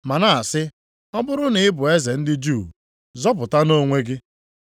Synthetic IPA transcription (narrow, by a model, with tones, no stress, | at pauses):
ma˨na˦˨a˨sɪ˦ | ɔ˦bʊ˦ɾʊ˦nɪ˨ɪ˦bʊ˨e˦ze˨n̩˦dɪ˦d͡ʒu˦˨ | zɔ˦pʊ˨ta˦no˦˨ŋʷe˦ɡɪ˦